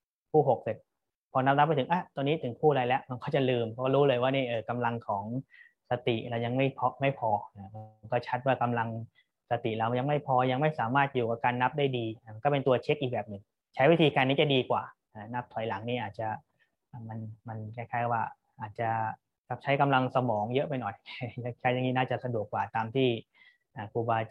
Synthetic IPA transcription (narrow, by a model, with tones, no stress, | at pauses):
kʰuː˥˩ɦo˨˩k̚se˨˩t̪̚ | pʰɔ˧na˦˥na˦˥p̬̚ːa˧jt̪ʰɯ˩˦ŋʔa˧˩t̪ɔː˧nːiː˦˥t̪ʰɯ˩˦ŋkʰuː˥˩laː˧jlɛ˦˥ʔma˧nkʰɔː˥˩t͡ɕa˨˩lɯː˧mʰɔ˦˥kɔ˥˩ɾuː˦˥lɤː˧jwaː˥˩niː˥˩ʔɤː˧˩ka˧mla˧ŋkʰɔː˩˦ŋ | sa˧t̪i˨˩ɾa˧wja˧ŋma˥˩jpʰɔ˧ma˥˩jpʰɔː˧a˧˩ma˧nkɔː˥˩t͡ɕʰa˦˥t̪̚waː˥˩ka˧mla˧ŋ | sa˧t̪i˨˩ɾa˧wja˧ŋma˥˩jpʰɔː˧ja˧ŋma˥˩jsaː˩˦maː˥˩t̪̚juː˨˩ka˨˩p̚kaː˧nːa˦˥p̚daː˥˩jdiː˧˩ma˧nkɔː˥˩pe˧nt̪u˧ɐt͡ɕʰe˦˥k̚ʔiː˨˩k̚bɛː˨˩p̚nɯ˨˩ŋ | t͡ɕʰa˦˥jwi˦˥t̪ʰiː˧kaː˧nːiː˦˥t͡ɕa˨˩diː˧kwaː˨˩ | ʔa˧˩na˦˥p̚t̪ʰɔ˨˦jla˩˦ŋniː˥˩ʔaː˨˩t̪̚t͡ɕa˨˩ | ʔaː˨˩ma˧nma˧nkʰaː˧˥˩jkʰaː˧˥˩jwaː˥˩ | ʔaː˨˩t̪̚t͡ɕa˨˩ʔ | ka˨˩p̚t͡ɕʰa˦˥jka˧mla˧ŋsa˧mɔː˩˦ŋjɤ˦˥ʔpa˧jnɔ˨˩jja˧˩kʰaː˧˥˩ja˧ŋiː˦˥naː˥˩t͡ɕa˨˩sa˧du˨˩əkːwaː˨˩t̪aː˧mt̪ʰiː˥˩ | ʔaː˨˩kuː˧˩baː˧